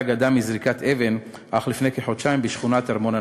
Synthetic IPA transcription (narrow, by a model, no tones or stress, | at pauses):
ɡadamizʁikat̪ʰeven | ʔaχlifnejkeħod̪ʃaimbiʃχunat̪aʁmo̞na